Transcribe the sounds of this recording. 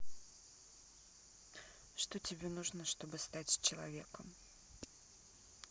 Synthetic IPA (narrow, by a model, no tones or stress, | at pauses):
ʂt̪otʲɪbʲenuʐnəʂt̪o̞bɨst̪atʲt͡ɕɪlˠɐ̰vʲḛkəm